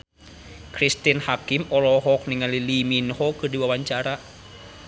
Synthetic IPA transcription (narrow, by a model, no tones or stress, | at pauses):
kʰɾist̪inhakːimʔolɔɦok̚nɛŋaliliminhokʰɯdiwawant͡ɕaɾaʔ